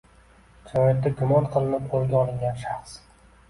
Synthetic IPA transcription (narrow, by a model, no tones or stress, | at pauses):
d͡ʒanɒjat̪̚ːaɡʊmɒnqʰɨlˠɪnɪp̚ʰolˠɡʲaɒlˠɪŋɡʲanʃaχs